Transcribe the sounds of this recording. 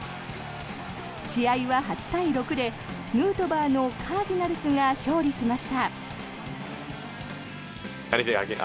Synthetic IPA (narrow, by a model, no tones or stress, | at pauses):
ɕiaiβaɦat͡ɕi̥t̪aiɾo̞kɯ̟d̪e̞ | mɯ̟ːt̪o̞baːno̞kʰaːʑinaɾɯ̟sɨŋɡaɕo̞ːɾʲiɕimaɕi̥t̪a | a̰ɾʲiseka̰ki